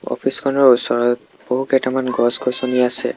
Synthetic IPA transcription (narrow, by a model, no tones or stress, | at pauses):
ɔ̰pʰiskʰɔnɔɹusɔɹɔt̚ | b̥oɦukɛtamanɡɔskojsoniasɛ̰